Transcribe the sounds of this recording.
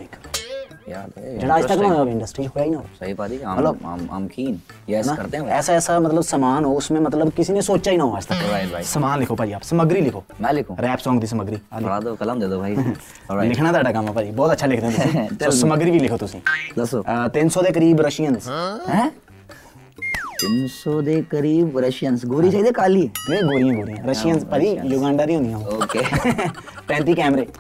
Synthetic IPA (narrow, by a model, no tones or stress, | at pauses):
ikkjaːd͡ʒeːɽaːɪst̪əkːnãɦjaːeɪɳɖəsʈɾiːɦoːjaːiːnaosəɦipad̪iɦəlo̰ːmə̰mkʰiːnjasãːkəɾt̪eɛ̃ɛːsaːɛːsaːmət̪ləbsəmaːnɦoːʊsmẽːmət̪ləbkɪsiːnẽːsoːt͡ʃaːiːnaːɦoːaːɪst̪əkːɾaːjʱaːsəmaːnlɪkʰoːpaːd͡ʒiːaːpsəməɡɾiːlɪkʰoːmɛ̃ːlɪkʰõːɾɛːpsɔ̃ːŋɡd̪iːs̬əməɡɾiːalɪad̪oːkələmd̪eːd̪oːbʱaːi | lɪkʰnaːaːɖaːkəmːãːpaːd͡ʒiːbɔːt̪ətːʃʰaːlɪkʰd̪eːãt̪sĩːoəməɡɾiːbiːlɪkʰoːt̪ʊsĩːd̪əsoːt̪ɪnsoːd̪eːk̬əɾiːbɾəʃijənsɦɛ̃ː | t̪ɪnsoːd̪eːkəɾiːbɾəʃjənsɡoːɾiːt͡ʃaːiːd̪eːkaːliːẽːɡoːɾɪjãːɡoːɾijãːɾəʃɪjənspaːd͡ʒiːjoɡãːɳɖaːɾiːɦõnd̪ijãːoːkeː | pɛ̃ːnt̪iːkɛːmɾeː